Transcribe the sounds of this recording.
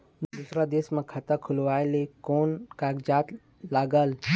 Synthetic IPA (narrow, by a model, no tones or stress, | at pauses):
d̪ut̪ɾad̪eːsmẽkʰɐt̪əkʰʊlʋaːjlekoːnkaːɡd͡ʒaːt̪ | laːɡəl